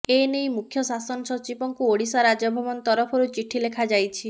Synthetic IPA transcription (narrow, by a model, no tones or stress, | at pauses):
enejmukʰjɔsasɔnɔsɔt͡ʃipɔŋkuoɽisaɾad͡ʒɔbʱɔmɔnt̪ɔɾɔpʰɔɾut͡ʃiʈʰilekʰad͡ʒajt͡ʃʰi